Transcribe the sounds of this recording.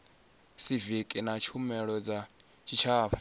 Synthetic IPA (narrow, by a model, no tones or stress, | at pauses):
sivikʼinat͡ʃʰumɛɺɔd͡za | t͡ʃʰit͡ʃʰaːpʰḁ